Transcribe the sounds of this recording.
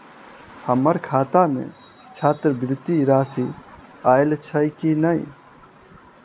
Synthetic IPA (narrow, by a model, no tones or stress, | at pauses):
həmːəɾkʰat̪amḛ | t͡ʃʰat̪ɾəbɾɪt̪ːiɾasiajlt͡ʃʰəjkinəj